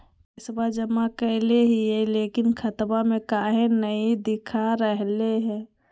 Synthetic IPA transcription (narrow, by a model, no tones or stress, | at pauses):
ɪsbad͡ʒəmakəɪleɦiɛlekinkʰət̪bamẽkaɦenəid̪ɪkʰaɾəɦleɦɛ̃